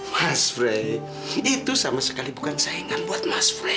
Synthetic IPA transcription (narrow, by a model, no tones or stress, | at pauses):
masfɾe | it̪usamasə̥kalibukansaiŋanbuat̪̚masfɾe